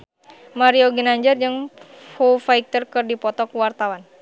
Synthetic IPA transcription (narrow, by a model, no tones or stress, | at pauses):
maɾiɔɡinaɲd͡ʒərd͡ʒɨŋ | fofaik̚t̪ərkɨrdipɔt̪ɔkuwart̪awan